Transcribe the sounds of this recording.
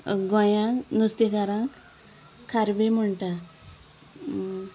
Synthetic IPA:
ɡõjãnust̪iɡaɾãk | kʰːaɾbem̤əɳʈa

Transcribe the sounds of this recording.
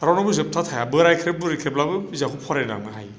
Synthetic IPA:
ɾawnabɯzep̚tʰatʰajabɯɾajkʰɾebɯɾikʰɾeplabɯizakʰupʰɔɾajna̰ŋnɯɦaj

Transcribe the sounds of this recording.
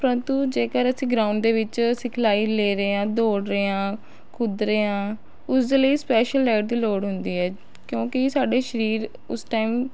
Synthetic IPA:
pəɾənt̪uːd͡ʒeːkəɾəsĩːɡɾaːʊɳɖd̪eːʋɪt͡ʃsɪkʰlaːiːleːɾeːãːd̪oːɽɾeːãː | kʰʊd̪ɾeːãː | ʊsd̪eːləiːspɛːʃəlːɛːʈ̚d̪iːloːɽɦʊnd̪iːɦɛː | kjõːkɪsaːɖeːʃəɾiːɾ | ʊsʈaːiːm

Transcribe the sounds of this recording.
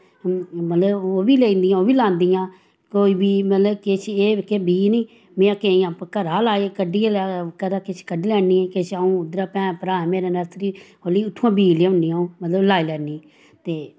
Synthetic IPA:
mət̪ləboːbiːleːĩːnd̪ɪjãːoːbiːlãːnd̪ijãː | koːiːbiːmət̪ləbket͡ʃʰeːkeːbiːniː | mẽːãːkeiãːpkəɾaːlaːekəɖiːkəd̪aːkɪt͡ʃʰkəɖiːlɛːniːɛ̃ːkɪt͡ʃʰaːũːʊd̪ɾaːpɛ̃ːpəɾaːmeːɾaːnəsɾiː | oːliːʊʈʰːũãːbiːlːʊ̃nɖiːãːõːmət̪ləblaːilɛːniː | t̪eː

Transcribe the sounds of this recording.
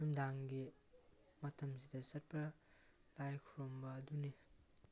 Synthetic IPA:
umdaŋɡi | mɐtʰɐmsidɐsɐt̚pʰɾɐ | lajkʰuɾombɐːduni

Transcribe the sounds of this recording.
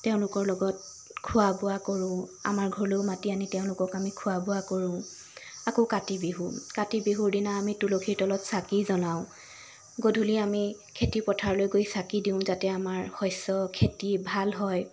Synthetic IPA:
teʊ̃lʊkɔɹlɔɡɔt̚ | kʰʊwabʊakoɹʊ̃a̰maɹɡʱɔɹloʊmatianitɛʊ̃lʊkɔkamikʰʊabʊakoɹʊ̃ | akokatibiɦukatibiɦuɹdinaːmitulokʰiɹtɔlɔtsakizɔnaʊ̃ | ɡodʱuliami | kʰetipɔtʰaɹlojɡojsakidiʊ̃zatɛamaɹhɔjsɔkʰetibʱalɦɔj

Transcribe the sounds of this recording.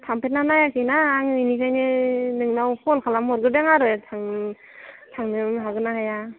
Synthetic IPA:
tʰampʰet̚nanajakʰɯnaːŋɯnikʰajnɯnɯŋnawhɔlkʰalamɔɾɡɯdeŋaɾɯjtʰaŋ | tʰaŋnɯmɦaɡɯnahaja

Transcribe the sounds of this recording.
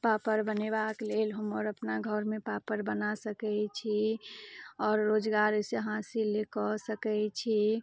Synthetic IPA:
papəɾbənebaklelɦəməɾəpnaɡʱəɾmepapəɾbənasəkɛt͡ʃʰi | ɔːɾːod͡ʒɡaɾseəɦãsilekɔsəkɛt͡ʃʰi

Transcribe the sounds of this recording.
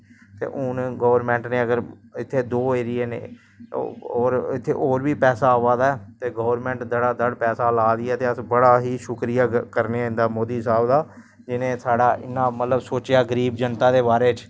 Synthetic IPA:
t̪ḛːʔʊnɡoːʋɾmɛ̃ːɳʈneːəɡəɾɪt̪ʰːeːd̪oːeːɾɪjeːnḛː | oːɾɪt̪ʰːḛːʔoːɾʋiːpɛːsaːoːʋaːd̪aːɛt̪eːɡoːʋəɾmɛ̃ːɳʈd̪əɽaːd̪əɽpɛːsaːlaːd̪ɪɛːt̪eːəsbəɽaːɦiːʃʊkɾɪjaːkəɾneaːɪ̃nd̪aːmoːd̪iːsaːbd̪aː | d͡ʒɪnẽːsaːɽaːʔɪnːãːmət̪ləbsoːt͡ʃɪjaːɡəɾiːbd͡ʒənt̪aːd̪eːbaːɾeːt͡ʃ

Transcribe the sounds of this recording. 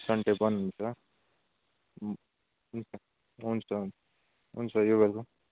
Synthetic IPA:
sʌɳʈebʌnunt͡sʰʌ | ɦunt͡sʰʌ | ɦunt͡sʰʌn | ɦunt͡sʰʌjobelko

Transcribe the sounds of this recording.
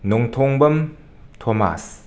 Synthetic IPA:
nuŋt̪ʰoŋbəm | t̪ʰoma̰s

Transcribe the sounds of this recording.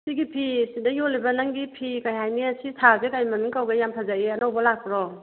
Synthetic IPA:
siɡipʰisidajɔlibɐnaŋɡipʰikajhajniasitʰazekajmaniŋkawɡajampʰazaeɐnawbɐlak̚pɾɔ

